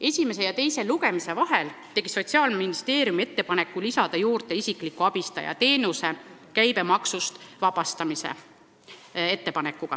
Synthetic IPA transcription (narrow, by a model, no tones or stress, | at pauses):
e̞sʲime̞s̬e̞jɑt̪e̞jse̞luɡ̥e̞mise̞vɑɦelt̪e̞ɡ̥iso̞t̪ʲsiɑːlminist̪e̞ːɾijumie̞t̪ːepɑne̞kːˑulisɑd̪̥ɑjuːɾt̪e̞isiklikːˑuɑb̥ist̪ɑ̰jɑ̰t̪e̞ːnuse̞kæjbe̞mɑksust̪vɑb̥ɑst̪ɑmisḛ | e̞t̪ːe̞pɑnekːˑuɡ̥ɑ̰